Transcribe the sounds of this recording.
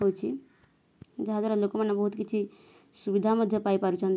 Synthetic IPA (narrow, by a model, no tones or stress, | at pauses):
ɦot͡ʃʰi | d͡ʒəɦad̪aɾalokomenːebəɦut̪kit͡ʃʰi | subid̪ʱaməd̪ʱjəpaipaɾut͡ʃʰən